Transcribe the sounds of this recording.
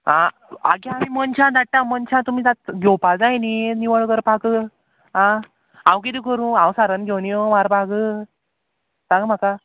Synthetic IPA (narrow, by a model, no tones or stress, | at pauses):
ɦã | aɡjamimənt͡ɕʰãd̪ʱaʈ̚ʈːamənt͡ɕʰãt̪umiːt̪at̪ɡʱewpad͡zajniniʋəɭkəɾpakəː | ɦã | ãwk̬id̪ikəɾũːãwsaɾənɡʱewnijomaɾbʱaɡəː | taɡam̤aka